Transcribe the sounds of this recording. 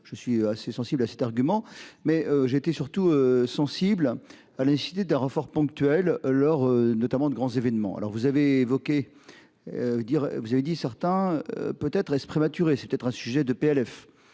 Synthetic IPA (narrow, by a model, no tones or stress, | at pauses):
ʒ̥əsɥiøasesɑ̃siblasɛt̪aʁɡʲymɑ̃mɛøʒeːt̪esyʁt̪uøsɑ̃sibl | alanese̥si̥t̪ed̪ɛ̃ʁəfɔʁpɔ̃kt̪ɥɛlːɔʁønɔt̪amɑ̃d̪əɡʁɑ̃zevɛnmɑ̰̃a̰lɔ̰ʁvuzaveːvɔkʲe | d̪iʁvuzaved̪isɛʁt̪ɛ̃pøt̪ɛt̪χɛspχemat̪yʁesɛpø̥t̪ɛt̪χɛ̃syʒɛd̪əpeɛlɛf